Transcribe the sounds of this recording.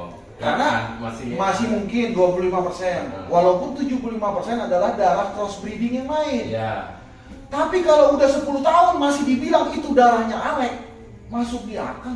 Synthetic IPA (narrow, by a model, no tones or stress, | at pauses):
karnamasɪhmuŋkɪnduapululimapərsɛnwalawpʊnt̪ud͡ʒupululimapərsɛnadalahdaɾahkɾɔsbɾidɪŋjaŋmaɪnj | t̪apikalawudahsəpuluht̪aʊnmasɪhdibilaŋit̪udaɾahɲaʔalɛk̚ | masʊk̚dia̰kaŋ